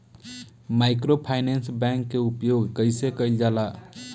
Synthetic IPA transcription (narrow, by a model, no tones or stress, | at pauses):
maɪkɾopʰaɪnensbɛŋkːeupjoɡkəɪsekəjld͡ʒala